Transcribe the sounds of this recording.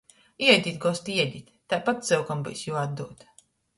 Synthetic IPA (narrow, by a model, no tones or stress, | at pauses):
iɛjd̪ʲit̪ɡɔst̪iɛd̪ʲit̪ʲt̪ːajpat̪̚zɨwkambɨ̰jsjuad̪d̪uɔt̪